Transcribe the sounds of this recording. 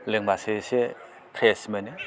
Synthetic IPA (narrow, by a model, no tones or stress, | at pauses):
leŋbasese | kʰɾesmene